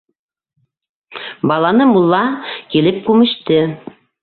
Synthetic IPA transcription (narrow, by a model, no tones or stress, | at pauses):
bɑlˠɑnɤmulˠːɑkilɘp̚kʉmɘ̆ʃt̪ɘ